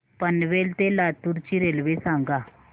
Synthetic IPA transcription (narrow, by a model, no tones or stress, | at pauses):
pənʋelt̪elat̪uɾt͡ɕiɾelʋesãŋɡa